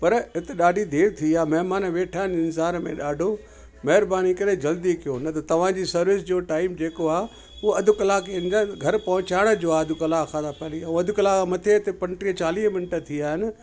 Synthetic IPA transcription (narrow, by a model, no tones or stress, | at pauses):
pɐɾɪt̪eɗaːɖʱid̪ʱeːɾt̪ʰiaːmɐɦmaːnʋeːʈʰaːɦɪnɪnsaːɾmẽɗaːɖʱo | mɐɦɪɾbaːnikɐɾẽd͡ʑɐld̪ikijonɐt̪ɐt̪ɐʋ̤ãd͡ʑiːsɐɾʋɪs̬d͡ʑoːʈaːɪmd͡ʑeːkoaː | uɦoɐd̪ʱʊkɐlaːkeɪnd̪aɡʱɐɾpɐɦʊ̃t͡ɕaːɪɽ̃ə̆d͡ʑoːaːɐd̪ʱʊkɐlaːkʰãːd̪apɐːliaːũɐd̪ʱʊkɐlaːmɐt̪ʰeɪt̪epɐ̃ɳʈiət͡ɕaːliːɦmɪnʈə̆t̪ʰiaːɦɪnɪ̆